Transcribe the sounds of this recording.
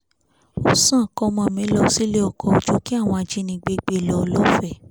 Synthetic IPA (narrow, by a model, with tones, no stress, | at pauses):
o˦sã˦˨kɔ˦mɔ̃˨mĩ˨˦lɔ˦˧˦si˦le˦ɔ˧˨kɔ˧˨o˧˨d͡ʒo˦ki˦a˦˨w̃ɔ̃˧a˨d͡ʒi˨˧˦nĩ˧ɡ͡be˧ɡ͡be˧˨lɔ˨˧lɔ˦fɛ˦˧˨